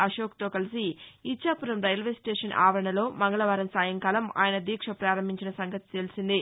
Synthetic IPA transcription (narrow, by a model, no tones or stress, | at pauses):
ɐʃoːk̚t̪o̞ːkɐlisiit͡ʃːaːpuɾɐmɾɐjlʋesʈeːʂɐnʔa̰ːʋɐɾɐɳɐlo̞ːmɐŋɡɐɭɐʋaːɾɐmsaːjɐŋkaːlɐma̰ːjɐnɐd̪iːkʂɐpɾaːɾɐmbʱiɲt͡ʃinɐsɐŋɡɐt̪i̥t̪e̞lisind̪i